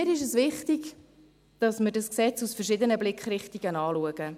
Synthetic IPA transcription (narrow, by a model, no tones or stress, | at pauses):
ɪɾɪʃ̬əsvɪχtiɡ | d̥ɑsməɾdɑsksɛt͡susfərʃɪd̪ənəblɪkχrɪχtiɡənɑːluəɡə